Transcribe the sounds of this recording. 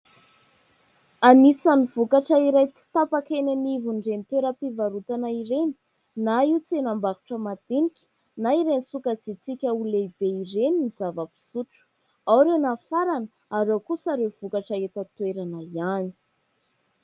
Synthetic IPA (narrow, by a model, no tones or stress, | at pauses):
amisanivukaʈ͡ʂəiɾajt͡si̥t̪apakenanivunrent̪weɾəpivaɾut̪anaiɾeni̥ | naiut͡sienambaɾu̥ʈ͡ʂəmad̪̥inikʲi̥ | naiɾensukət͡sit͡sikʲəulebeiɾeninizavəpi̥suʈ͡ʂu̥ | awɾewnafaɾanə | aɾewkusaɾewv̥ukaʈ͡ʂaet̪ət̪weɾanaiani̥